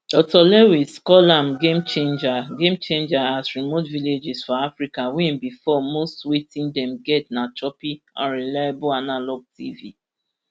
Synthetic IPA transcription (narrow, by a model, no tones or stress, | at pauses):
ɔtɔlɛwiskɔlãmɡẽmt͡ʃẽnd͡ʒaɡẽmt͡ʃẽnd͡ʒaasɹimotviled͡ʒɪsfɔafɹikawɛ̃nbifɔmostwetĩndɛ̃mɡɛtnat͡ʃɔpiãɹɛlajabʊanalɔɡ̚tivḭ